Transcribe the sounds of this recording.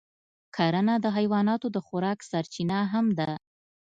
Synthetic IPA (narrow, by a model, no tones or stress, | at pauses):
kʰɑɾənad̪əɦajwɑnɑt̪od̪əxʊɾɑksaɾt͡ʃinaɦamd̪a